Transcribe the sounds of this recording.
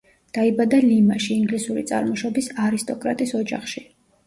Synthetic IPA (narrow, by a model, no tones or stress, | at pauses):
d̪̥aibad̪alimaʃiːŋɡlisuɾḭt̪sʼa̰ɾmɔʃɔbisaɾist̪ʼɔkʼɾa̰t̪ʼisɔd͡ʒa̰χʃi